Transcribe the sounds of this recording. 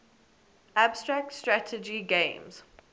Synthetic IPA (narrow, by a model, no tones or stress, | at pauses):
ʔabstɹak̚tstɹatʰəd͡ʒiɡẽmz̥